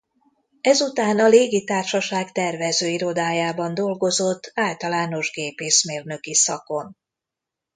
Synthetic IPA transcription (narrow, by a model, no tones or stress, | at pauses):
ɛzut̪aːnɒleːɡit̪aːrʃɒʃaːkt̪ɛrvɛzøːiɾo̞d̪aːjaːbɒnd̪o̞lɡo̞zo̞t̪ːaːlt̪ɒlaːno̞ʒɡeːpeːʃmeːrnø̞kisɒko̞n